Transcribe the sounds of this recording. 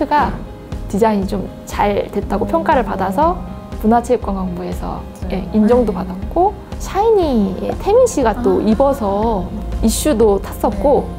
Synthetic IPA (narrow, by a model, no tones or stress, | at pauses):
tʰɯɡa | tid͡ʑaŋit͡ɕom | t͡ɕaɭtwe̞t̚t͈aɡopʰjʌŋk͈aɾɯɭpadasʰʌ | punɦat͡ɕʰep̚k͈anɡwaŋbue̞sʰʌ̰ | je̞ind͡ʑʌŋdopadat̚k͈o | ɕʰaiɲijḛtʰe̞minɕ͈ʰiɡat͈oʔibʌsʰʌiɕ͈udotʰas͈ʌt̚k͈o